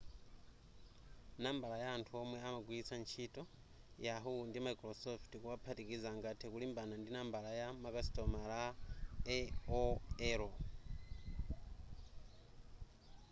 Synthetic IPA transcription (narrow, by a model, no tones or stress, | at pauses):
naːmbalajaːntʰuomweamaɡwit͡sʰant͡ʃʰitʼo | jaɦundimaikɾosoftikuβapʰatikizaŋɡatʰekulimbanandinaːmbalajamakasi̥tomalaeoeɾo